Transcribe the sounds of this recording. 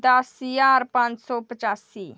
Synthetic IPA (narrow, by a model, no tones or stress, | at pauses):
d̪asijaɾpãnt͡ʃsɔpət͡ʃaːsːi